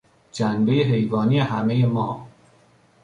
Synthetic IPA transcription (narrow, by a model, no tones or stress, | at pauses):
d͡ʒænbejeɦe̞jvɒːniːje̞hæmeje̞mɒː